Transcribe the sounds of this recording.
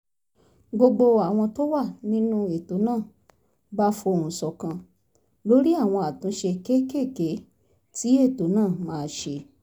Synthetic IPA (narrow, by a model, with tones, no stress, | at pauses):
ɡ͡bo˧ɡ͡bo˧a˨w̃ɔ̃˧to˦wa˦˨nĩ˦nũ˦e˨to˨˦nãː˦˨ | ba˦fo˧o˨ɾũ˨sɔ˨kã˧ | lo˦ɾi˦a˦˨w̃ɔ̃˧a˨tũ˨˦ʃe˧ke˦ke˦˨ke˨˦ | ti˨˦e˦˨to˨˦nãː˦˨mãː˨˧ʃe˧